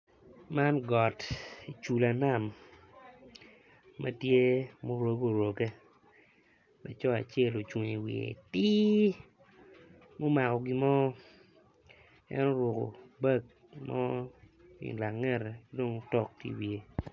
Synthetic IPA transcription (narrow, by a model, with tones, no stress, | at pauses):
ma˦nɡɔ˨ti˨t͡ʃu˨la˨na˦˨m | ma̰˦tje˦mo˦ɾo˦ɡo˦˨ɾo˨ɡe˦ | mɛ̰˨t͡ʃɔ˦a̰˨t͡ʃe˦˨lo˨t͡ʃwo˨ɲi˨wḭ˨ḛ˨tɪ˦ | mo˦ma˨kɔ˨ɡi˦mɔ˦ | ɛ̰˦nɔ˦ɾwo˨ko̰˨bɛ˦k̚ | mɔ˦ | ḭ˨nla˨ŋːɛ˦ɾe˨ɡi˦do˦ŋ˦tɔ˦˨k̚tḭ˦wie˨